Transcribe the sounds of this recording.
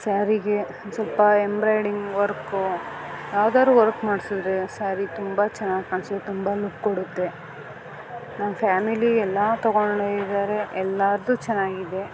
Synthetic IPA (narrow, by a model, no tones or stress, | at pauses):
saːɾiɡe | sɐlpɐembɾɐjɖiŋɡʋɐɾku | jaːʋd̪aːɾuːʋɐɾkmaːɽsud̪ɾesaːɾit̪umbɐt͡ʃɛnːaːɡkɐnst̪umbalup̚koɽut̪ːe̞ | nɐmɐpʰaːmiliɛlːat̪ɔɡoɳɖeid̪aːɾe̞ʔɛlːaːɾd̪uːt͡ʃɛnːaːɡid̪e̞